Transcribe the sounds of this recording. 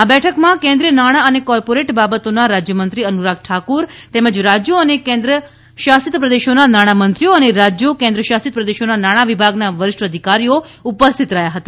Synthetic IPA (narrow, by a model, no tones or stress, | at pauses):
abɛʈʰəkmãkẽnd̪ɾiənaɽ̃aənekɔɾpoɾeʈbabət̪onaɾad͡ʒjəmənt̪ɾiənuɾak̚ʈʰakuɾt̪ɛməd͡ʒɾad͡ʒjoənekẽnd̪ɾə | ʃasit̪pɾəd̪eʃonanaɽ̃amənt̪ɾioəneɾad͡ʒjokẽɛ̃nd̪ɾəʃasit̪̚pɾəd̪eʃonanaɽ̃aʋibʱaɡnaʋəɾɪʃʈəd̪ʱikaɾijoupəst̪ʰit̪ɾəɦjaɦət̪a